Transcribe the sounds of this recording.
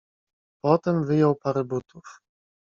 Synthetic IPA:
pɔt̪ɛmvɘjɔwpaɾɛbut̪uf

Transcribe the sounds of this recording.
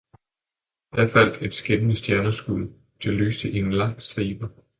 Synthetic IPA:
d̥æɐfæl̰d̥e̝d̥sɡ̥enənəsd̥jæɐnɐsɡ̥uð̰ˠ | t͡sʰe̝ly̰ːsd̥əʔienlɑ̈ŋ̰sd̥ʁḭːb̥ɐ

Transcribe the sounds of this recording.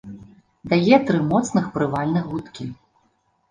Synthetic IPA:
d̪ajɛt̪ɾɨmɔt̪snɨxpɾɨvalʲnɨɣut̪kʲi

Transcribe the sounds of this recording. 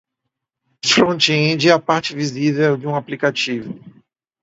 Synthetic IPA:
fɾõnt͡ʃiẽd͡ʒiɛapaɾt͡ʃɪvizivewd͡ʒɪũaplikat͡ʃivʊ

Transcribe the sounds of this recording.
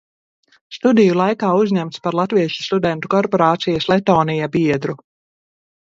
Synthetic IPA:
st̪ud̪ijulˠajkaːuzɲʲæmt̪spaɾlˠat̪viɛʃi̥st̪ud̪ɛnt̪ukɔɾpoɾaːt̪sijaslˠɛt̪ɔːnijabiɛd̪ɾu

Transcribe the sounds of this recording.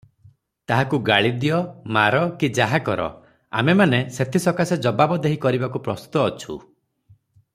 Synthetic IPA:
t̪aɦakuɡaɭid̪ijɔmaɾɔkid͡ʒaɦakɔɾɔ̰ | a̰memaneset̪ʰisɔkased͡ʒɔbabɔd̪eɦikɔɾibakupɾɔst̪u̥t̪ɔːt͡ʃʰṵ

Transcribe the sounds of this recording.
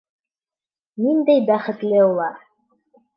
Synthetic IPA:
nind̪æjbæχɘ̆t̪lɘulˠɑɾ

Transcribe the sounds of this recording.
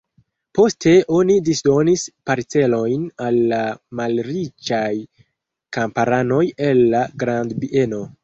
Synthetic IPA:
po̞stʰe̞ʔo̞nidisdo̞nispaɾt͡se̞lo̞jnalːamalɾit͡ʃaj | kampaɾano̞je̞lːaɡɾandbiʔe̞no̞

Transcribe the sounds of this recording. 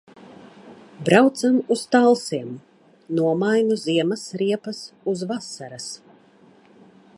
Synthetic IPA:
bɾawt̪samust̪alˠsiɛm | nuɔmajnuziɛmasɾiɛpɐsuzvasaɾas

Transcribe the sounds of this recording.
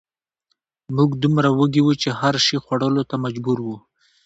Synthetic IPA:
muɡd̪umɾawəɡiwut͡ʃehaɾʃixwaɽəlot̪amad͡ʒbuɾwu

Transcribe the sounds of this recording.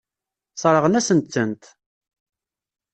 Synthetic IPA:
sˤɾˤəʁənæsənt̪t͡sːənt̪

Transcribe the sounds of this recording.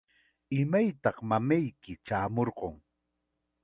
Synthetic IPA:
ɪmajt̪ɑχmamajkɪt͡ʃaːmoɾɢoŋ

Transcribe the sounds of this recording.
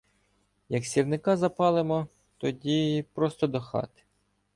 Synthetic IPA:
jɐksʲirnɪkɑzɐpɑlˠɪmɔ | t̪ɔdʲipɾɔst̪ɔd̪ɔxɑ̰t̪ɪ̥

